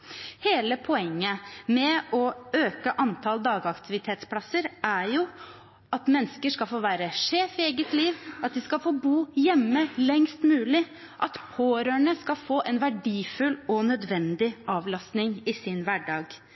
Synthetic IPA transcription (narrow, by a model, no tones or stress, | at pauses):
heːləpʰɔɛŋːəmɛɔøːkəʔɑnt̪ʰɑld̪ɑːɡɑkt̪ʰɪʋɪt̪ʰeːt̪spʰlɑsəɾæɾjʊ | ɑt̪mɛnːskəʂkɑlfoːʋæːɾəʂeːfɪeːɡət̪liːʋɑt̪̚d̪ɪskɑfoːbuːjɛmːəlɛŋst̪mʉːlɪ | ʔɑt̪pʰoːɾøːɳəskɑlfoːʔɛnʋæɖiːfʉlɔnœd̪ʋɛnd̪ɪʔɑːʋlɑst̪nɪŋɪsɪnʋæɖɑːɡ